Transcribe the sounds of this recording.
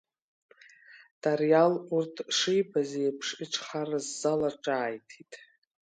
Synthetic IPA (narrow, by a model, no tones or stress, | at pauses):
d̥arjalurtʰʂijbazejpʰʂiʈ͡ʂʰʼχarazːalaʈ͡ʂʼaːjtʰitʼ